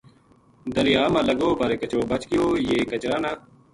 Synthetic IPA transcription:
d̪əlɪjaːmãːləɡoːbəɾeːkət͡ʃoːbət͡ʃkɪjoːjeːkət͡ʃɾaːnaː

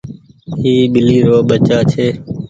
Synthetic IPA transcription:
ɦiːɓɪliːɾoːɓət͡ʃaːt͡ʃʰeː

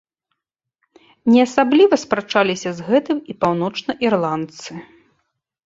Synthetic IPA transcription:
nʲɛɐsablʲivɐspɾat͡ʂalʲisʲɐzɣɛt̪ɨmipawn̪ɔt͡ʂnɐʔirlˠant̪sɨ

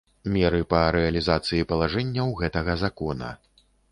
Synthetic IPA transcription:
mʲɛɾɨpɐɾɛɐlʲizat̪sɨjipɐlˠaʐɛnʲːɐwɣɛt̪ɐɣɐzakɔnɐ̰

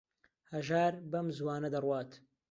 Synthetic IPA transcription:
hɐʒaːɾbɐmzwaːnɐd̪ɐrwaːt̪

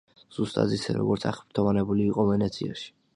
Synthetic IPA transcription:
z̥ust̪ʼa̰d̪isɛ̰ɾɔ̰ɡɔɾt̪sʰaχpɾt̪ʰɔvanɛbuliːqʼɔvɛnɛt̪sʰia̰ʃi̥

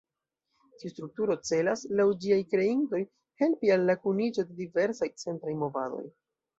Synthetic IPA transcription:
tiostɾuk̚tuɾo̞t͡se̞laslawd͡ʒiajkɾe̞into̞j | he̞lpialːakunid͡ʒo̞de̞dive̞ɾsajt͡se̞ntɾajmo̞vado̞̰j

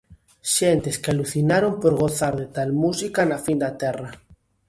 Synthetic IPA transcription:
ʃent̪eskealuθinaɾompoɾɣ̞oθaɾðet̪almusikanafind̪at̪ɛra

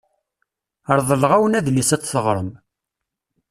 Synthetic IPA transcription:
əɾˤðˤəlʁæwənæðlisæt͡sːθəʁɾˤəm

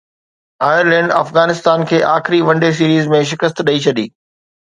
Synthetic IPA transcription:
aːjəɾlɛ̃ːɳɖɐfɣaːnɪst̪aːnkʰeːʔaːxɪɾiʋɐ̃ɳɖes̬iːɾiːzmẽʃ̬ɪkəst̪ɗɐit͡ɕʰɐd̪iː

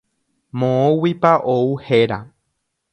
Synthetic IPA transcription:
mõõwipaʔouheɾa

